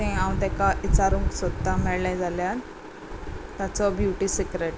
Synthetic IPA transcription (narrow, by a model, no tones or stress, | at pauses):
t̪ɛ̃aũɳt̪ɛ̃kaʔit͡saɾũŋksod̪t̪ːamɛɭlãjd͡zaljan | t̪at͡sɔbjuʈisikɾeʈ